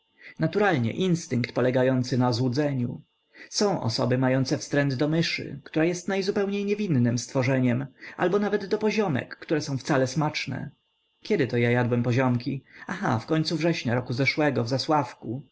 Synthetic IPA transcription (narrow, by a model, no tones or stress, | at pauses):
nat̪uɾalɲɛ̰ʔinst̪ɘɪŋkt̪pɔlɛɡajɔnt̪sɘnazwud̪zɛɲṵ | sɔ̃w̃ʔɔ̰sɔ̰bɘmajɔnt̪sɛfst̪ɾɛnd̪d̪ɔmɘʂɘ̰kt̪uɾajɛst̪najzupɛwɲejɲɛvʲinːɘmst̪fɔʐɛɲɛma̰lbɔnavɛd̪ːɔpɔʑɔmɛ̰kːt̪uɾɛsɔ̃w̃ft̪salɛsmat͡ʂnɛ̰ | kʲɛd̪ɘt̪ɔjajad̪wɛmpɔʑɔmkʲiaxa̰fkɔɲʲt̪suvʐɛɕɲaɾɔkuzɛʂwɛɡɔvzaswafku